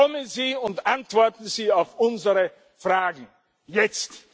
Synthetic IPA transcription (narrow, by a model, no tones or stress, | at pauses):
ɔmənziːʊntʔantv̥ɔɐtn̩ziːaʊfʔʊnzəʁə | fʁ̥aːɡŋ̩ | jɛt͡st